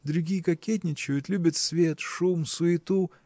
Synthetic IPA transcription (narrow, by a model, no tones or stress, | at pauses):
d̪ɾʲʊɡʲijkɐkʲet̪ʲnʲɪt͡ɕɪjʊt̪lʲubʲət̪svʲet̪ʂumsʊɪt̪u